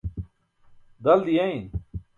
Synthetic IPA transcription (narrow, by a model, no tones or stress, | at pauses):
d̪ɐld̪ijaĩn